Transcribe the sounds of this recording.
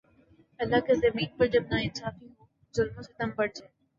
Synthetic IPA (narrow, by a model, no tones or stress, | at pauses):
ɐlːakezɐmiːnpɐɾd͡ʒɐbnaɪnsaːfiɦoː | zʊlmõset̪ɐmbɐɽd͡ʒaː